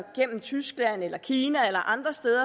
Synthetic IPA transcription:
ɡ̥en̰m̩t͡sʰysɡ̥læn̰elɐkʰiːnæelɐʔɑ̈nd̥ʁɐsd̥eːðˠɐ

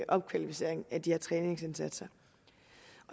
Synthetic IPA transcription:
ʔɒ̽b̥̚kʰʋælifise̝ɐ̰eŋæd̥iheɐt͡sʰʁɛːne̝ŋse̝nsæd̥sɐ | ʔɒ̽

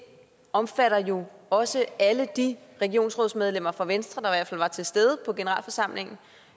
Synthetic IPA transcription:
ɒ̽mfæɾ̥ɐjo̝ɒ̽səʔæləd̥iʁɛɡ̥io̝̰ːnsʁɔðˠsmeð̞ˠlem̰ɐfʁɑ̈ʋensd̥ʁɐd̥ɑ̈iʋæɐfæl̰ʋɑ̈t͡sʰe̝sd̥eːð̞ˠəpʰɒ̽ɡ̥e̝nəʁɑ̰̈ːlfɒ̽sɑ̈m̰le̝ŋn̩

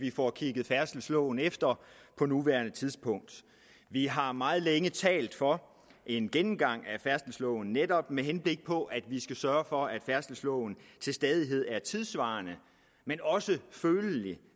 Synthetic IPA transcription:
ʋifɒkʰiɡ̥ð̩ˠfæɐsd̥l̩slɔ̰ʊn̩efd̥ɐpʰɒ̽nuʋæɐnət͡sʰiðˠspʰɔ̽ŋ̰d̥ | ʋiɦɑ̈mɑ̈ːð̞̩ˠleŋət͡sʰɛ̰ːld̥fɒ̽ | ʔe̝nɡ̥enm̩ɡ̥ɑ̈ŋ̰æfæɐsd̥l̩slɔʊn̩ned̥ɒ̽b̥meɦenb̥le̝ɡ̥̚pʰɒ̽ʔæd̥ʋisɡ̥æsɶːɐfɒ̽æd̥fæɐsd̥l̩slɔʊn̩t͡sʰe̝lsd̥ɛːð̞ˠiɦe̝ð̞̰ˠæɐt͡sʰiðˠsʋɑ̈ːnə | menɒ̽səføːləli

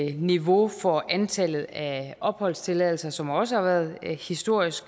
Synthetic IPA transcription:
niʋo̝fɒ̽ʔænt͡sʰælð̩ˠæʔɒ̽b̥hɒ̽l̰st͡sʰe̝lɛðl̩sɐsɒ̽mɑɒ̽səhɑ̈ʋæːɐð̞̩ˠhisd̥o̝ɐ̰isɡ̥

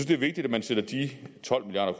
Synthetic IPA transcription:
ynsd̥e̝ɐʋe̝ɡ̥̚d̥id̥æ̥mænsedɐd̥it͡sʰɒ̽l̰miljɑ̰ːɾɐkʰ

